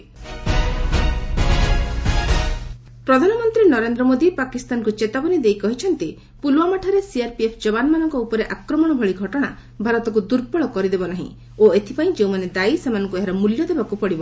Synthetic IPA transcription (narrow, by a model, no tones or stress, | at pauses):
pɾɔd̪ʱanɔmɔnt̪ɾinɔɾend̪ɾɔmod̪ipakist̪ankut͡ʃet̪abɔnid̪ejkɔɦit͡ʃʰɔnt̪i | pulwamaʈʰɔɾesiaɾpiepʰd͡ʒɔbanmanɔŋkɔupɔɾeʔakɾɔmɔɽ̃ɔbʱɔɭiɡʱɔʈɔɽ̃a̰ | bʱaɾɔt̪ɔk̬ud̪uɾpɔɭɔkɔɾid̪ebɔnaɦḭ̃ | oet̪ʰipaĩd͡ʒeũmaned̪aisemanɔŋkueɦaɾɔmuljɔd̪ebakupɔɽibɔ